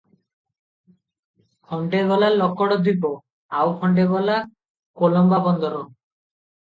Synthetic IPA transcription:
kʰɔɳɖeɡɔlalɔkɔɽɔd̪ʱip̬ɔ | awkʰɔɳɖeɡɔla | kolɔmbabɔnd̪ʱɔɾɔ

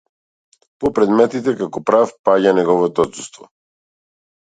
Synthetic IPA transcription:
pɔpɾɛd̪mɛt̪it̪ɛkakɔpɾafpaɟanɛɡɔvɔt̪ɔɔt̪sust̪vɔ

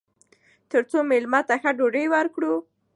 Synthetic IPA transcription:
t̪əɾt͡somelmɑt̪axaɖoɖəjwəɾkɽu

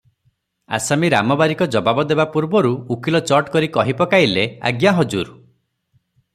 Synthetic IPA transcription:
a̰samiɾamɔbaɾikɔd͡ʒɔbabɔd̪ebapuɾbɔɾuukilɔt͡ʃɔʈkɔɾikɔɦipɔkailea̰ɡjaɦɔd͡ʒuɾ

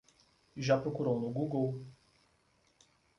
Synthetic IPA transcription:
ʒapɾokuɾownʊɡuɡow

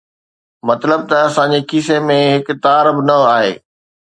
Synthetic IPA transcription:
mɐt̪ləb̚t̪ɐɐsãːɲd͡ʑekʰiːs̬emẽɦɪkt̪aːɾbɪnɐaːɦḛː

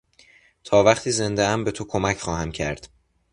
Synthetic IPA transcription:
t̪ʰɒːvæχt̪ʰiːze̞nd̪eæmbe̞t̪ʰokʰo̞mæcʰχɒːɦæmcʰæɾd̪̥

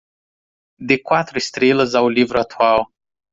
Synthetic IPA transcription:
d̪ekwat̪ɾʊist̪ɾelɐzawlivɾʊat̪uaw

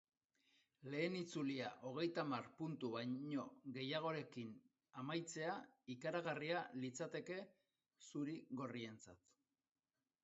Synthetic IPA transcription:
le̞ːnit͡suliaʔo̞ɣ̞e̞jt̪amarpunt̪uβajɲo̞ɣe̞jaɣ̞o̞ɾe̞kin | amajt͡se̞aikaɾaɣ̞arialit͡sat̪e̞ke̞ | suɾiɣo̞rie̞nt͡sa̰t̪

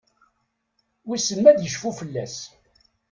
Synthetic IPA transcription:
wisəmmæd̪jəʃfufəlːæs

